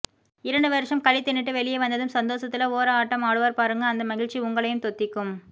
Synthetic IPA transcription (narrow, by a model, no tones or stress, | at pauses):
ɪɾɐɳɖɯʋɐɾɯʂɐmkɐlɪt̪ːɪɳːɪʈːɯʋɛɭɪjeʋɐnd̪ɐðɯmsɐnd̪oːsɐt̪ːɪlɐoːɾɐaːʈːɐmaːɽɯʋɐːɾpaːɾɯŋɡɐːnd̪ɐmɐɣɪɻt͡ʃːiʊŋɡɐɭɐjɯmt̪ɔt̪ːɪkːɯm